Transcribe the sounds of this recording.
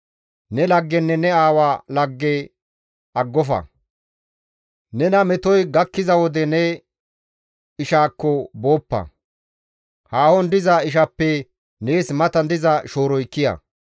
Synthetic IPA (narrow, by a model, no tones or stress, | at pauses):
nɛlɐɡːɛnːɛnɛaːwaːlɐɡːɛ | ɐɡːɔfɐ̰ | nɛnɐmɛt̪ɔjɡɐkːɪzɐwɔd̪ɛnɛ | ɪʃaːkːɔbo̞ːpːɐ̰ | haːhɔnd̪ɪzɐɪʃ̬ɐpːɛ | neːsmɐt̪ɐnd̪ɪzɐʃo̞ːɾɔjkːɪjɐ̰